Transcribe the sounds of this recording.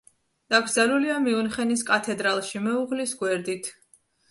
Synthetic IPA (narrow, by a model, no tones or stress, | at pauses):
d̪̥aɡɾdzaluliamiunχɛniskʼat̪ʰɛd̪ɾalˠʃimɛuʁlisɡwɛɾd̪it̪ʰ